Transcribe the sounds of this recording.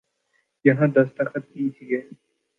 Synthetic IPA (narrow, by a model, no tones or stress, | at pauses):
jɐɦãːd̪ɐst̪ɐkʰət̪̚ĩt̪ʰiɡɛː